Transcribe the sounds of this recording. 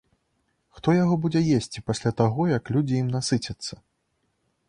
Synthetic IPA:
xt̪ɔjaɣɔbud͡zʲɛjesʲt͡sʲipasʲlʲat̪aɣɔjɐklʲud͡zʲijimnasɨt͡sʲɐt̪sːɐ̥

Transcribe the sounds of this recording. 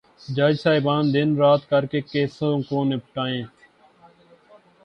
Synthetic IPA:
d͡ʒaːd͡ʒsaːɪbaːnd̪ɪnɾaːt̪kəɾkeːkeːsõːkoːnepʈaːẽː

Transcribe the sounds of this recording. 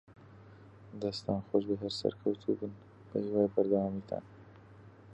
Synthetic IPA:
d̪ɐst̪aːnxoʃbəɦɐɾsɐ̰ɾkʰɐwt̪ʰubɨn | b̥əzwaːjbɐɾd̪awaːmiːt̪ʰa̰ːn

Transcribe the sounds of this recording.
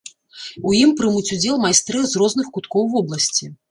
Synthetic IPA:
ujimpɾɨmut͡sʲud͡zʲɛlˠmajst̪ɾɨzrɔznɨxkut̪kɔwvɔblˠɐsʲt͡sʲi

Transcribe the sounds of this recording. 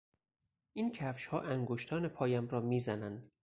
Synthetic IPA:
ʔiːncʰæfʃhɒːʔæŋɡoʃt̪ʰɒːnepʰɒːjæmɾɒːmiːzænænd̪̥

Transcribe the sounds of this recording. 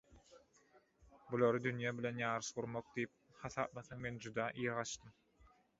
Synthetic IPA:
bulˠoɾɯd̪ynjæːbilʲe̞njɑːɾɯʃʁuɾmoq̚d̪ijip̚χɑθɑ̰ːp̚mɑθɑŋme̞nd͡ʒud̪ɑːʔijʁɑʃt̪ɯm

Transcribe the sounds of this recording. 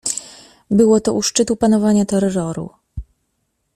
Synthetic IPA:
bɘwɔt̪ɔʔuʂt͡ʂɘt̪upanɔvaɲat̪ɛɾɾɔɾṵ

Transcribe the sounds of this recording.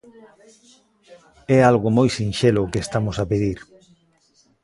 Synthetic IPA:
ɛalɣomojsinʃelʊkest̪amʊsapeðiɾ

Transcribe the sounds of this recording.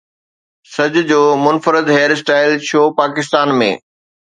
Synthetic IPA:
sɐd͡ʑʊ̆d͡ʑoːmʊnfəɾɪd̪ɦeːəɾsʈaːɪlʃoːpaːkɪst̪aːnmḛ̃ː

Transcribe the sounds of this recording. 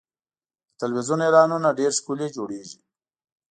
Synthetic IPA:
ət̪alwizunelɑnunaɖeɾskuled͡ʒoɽeʒi

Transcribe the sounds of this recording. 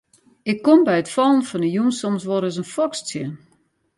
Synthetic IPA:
ɪkːombɛjətfɔlˠənfɔnəjumsomsʋoɾəs̬ənfɔkst͡sjən

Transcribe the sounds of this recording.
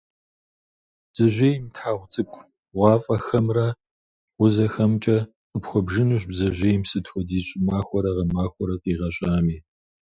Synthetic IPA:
bz̥ɐʒʷeːjmtħaːʁʷt͡sʼɨkʷʰʼ | ʁʷɑːfʼɐxɐmrɐ | wʊzɐxɐmt͡ʃʼɐ | əpxʷɔbʒɨnuɕbzɐʒʷeːjmsɨtxʷɔdiːɕʼɪmaːxʷɔɾɐʁɐmaːxʷɔɾɐtʼiːʁɐɕʼaːmiː

